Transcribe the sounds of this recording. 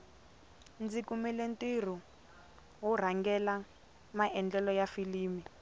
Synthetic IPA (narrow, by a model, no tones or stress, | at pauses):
nd͡zikumɛlentir̤u | ɦur̤aŋɡɛla | maʔɛnd͡ɮɛlɔjafiliːmi